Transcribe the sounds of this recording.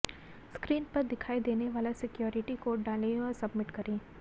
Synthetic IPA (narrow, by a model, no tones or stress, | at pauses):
skɾiːnpɐɾd̪ɪkʰaːid̪eːneʋaːlasɪkjoːɾɪʈikoːɖɖaːlẽɔːɾsɐbmɪʈkɐɾẽː